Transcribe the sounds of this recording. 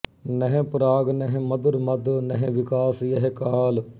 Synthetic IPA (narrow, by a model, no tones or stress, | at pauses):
nɛɦẽpʊɾaːɡnɛɦẽmɐd̪ʊɾmɐd̪nɛɦẽʋɪkaːsjɐɦekaːl